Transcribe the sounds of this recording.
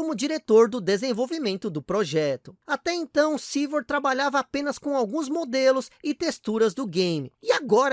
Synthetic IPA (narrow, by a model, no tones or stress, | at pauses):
õmʊd͡ʒiɾet̪oɾd̪ʊd̪ezẽvowvimẽnt̪ʊd̪ʊpɾoʒɛt̪ʊat̪ɛẽnt̪ɐ̃w̃siveɾt̪ɾabaʎavɐapẽnɐskõw̃awɡũzmod̪elʊsɪt̪est̪uɾɐzd̪ʊɡẽjmɪɪaɡɔɾ